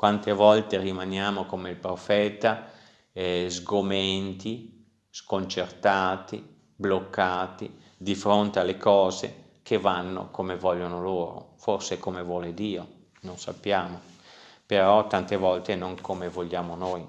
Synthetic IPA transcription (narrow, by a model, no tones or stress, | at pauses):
kwant̪evɔlt̪erimanjaːmokomeilpɾofɛːt̪a | zɡoment̪i | skont͡ʃert̪aːt̪ḭ | blokːaːt̪ḭ | d̪ifɾont̪ealːekɔːzḛ | kʰevanːo̰komevɔʎːonoloːɾo̰forsekomevwɔːled̪iːo | nonsa̰pːjaːmopeɾɔt̪ant̪evɔlt̪enoŋkʰomevoʎːaːmonoj